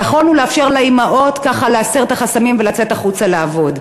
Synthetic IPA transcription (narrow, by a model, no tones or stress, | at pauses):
naχo̞lnuleafʃe̞ʁlaimaʔo̞t̪kaχaleaseʁet̪aχasamimvelat͡set̪aχut͡saleavo̞d